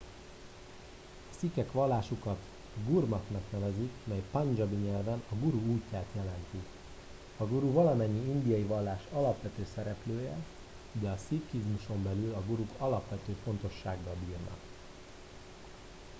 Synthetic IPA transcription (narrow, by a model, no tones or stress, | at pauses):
ɒsikɛkʋɒlːaːʃukɒt̪ | ɡurmɒknɒknɛvɛzikmɛjpɒnd͡ʒɒbiɲɛlvɛnɒɡuɾuuːcːaːt̪jɛlɛnt̪i | ɒɡuɾuvɒlɒmɛɲːiind̪ijɒjivɒlːaːʃɒlɒpʋɛt̪øːsɛɾɛpløːjɛ | d̪ɛɒsikizmuʃo̞mbɛlylɒɡuɾukʰɒlɒpʋɛt̪øːfo̞nt̪o̞ʃːaːɡːɒlbiːrnɒ̰k